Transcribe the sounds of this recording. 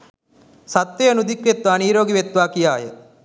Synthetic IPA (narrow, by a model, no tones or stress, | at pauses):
sat̪ːejənud̪ikʋet̪ʋaːniːɾoːɡiʋet̪ʋaːkijaːjə̰